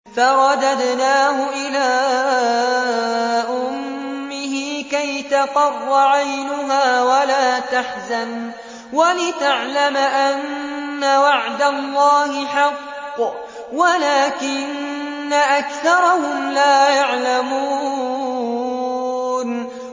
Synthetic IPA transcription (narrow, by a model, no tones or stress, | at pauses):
fɑɾˤɑd̪ad̪naːhʊʔɪlaː | ʔʊmmːɪɦiːkajt̪ɑqɑrˤːɑʕajnʊɦaːwalaːt̪aħzan | walɪt̪aʕlamʔanːawaʕd̪alːɑːhɪħɑqː | walaːkɪnː | aʔakθɑɾˤɑhʊmlaːjaʕlamuː | n